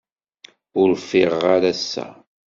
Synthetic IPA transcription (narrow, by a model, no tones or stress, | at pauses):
ʊɾfɪʁaɾæsːæ̰